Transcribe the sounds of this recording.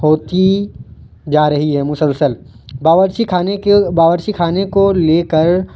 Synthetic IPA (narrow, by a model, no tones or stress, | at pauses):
ɦoːt̪i | d͡ʒaːɾɐɦiɦɛmʊsəlsəl | baʋɾʃikʰaːnbaːʋəɾʃikʰaːnekoleːkəɾ